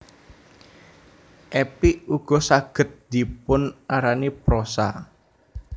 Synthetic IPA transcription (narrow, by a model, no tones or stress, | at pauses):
ʔɛpiʔuɡ̥ɔ̤saɡ̥ə̤t̪̚d̪̥i̤pʊnaɾanipɾosa̰